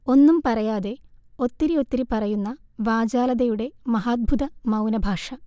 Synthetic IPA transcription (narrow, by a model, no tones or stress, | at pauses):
o̞nːumpɐrɐjaːðe̞o̞t̪ːiɾio̞t̪ːiɾipɐrɐjunːɐʋaːd͡ʑaːlɐðɐjuɽe̞mɐɦaːd̪̚bʱud̪ɐmɐwnɐbʱaːʂɐ